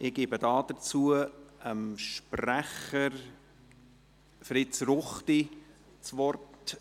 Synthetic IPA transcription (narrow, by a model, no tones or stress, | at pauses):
ʔɪɡ̥ɪːbədɑːd̥ət͡suːəəmʃprɾæχəɾ | fɾɪt͡srʊχti | t͡svɔrt